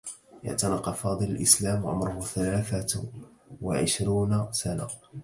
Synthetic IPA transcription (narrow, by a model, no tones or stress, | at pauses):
ʔa̰ʕt̪ɑnɑqɑfɑːd̪ˤɨlalʔɪ̰slaːmʕʊ̰mɾʊhʊθalaːθa | wa̰ʕɪʃɾuːnasana̰